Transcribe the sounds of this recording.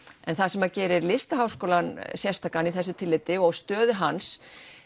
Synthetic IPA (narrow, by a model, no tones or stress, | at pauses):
ɛnθaðsɛmacɛːɾɪɾlɪst̪aɦawskoːlansjɛ̥st̪ʰaːkaniθɛsʏt̪ʰɪlːɪt̪ɪɔɣst̪œːðʏɦans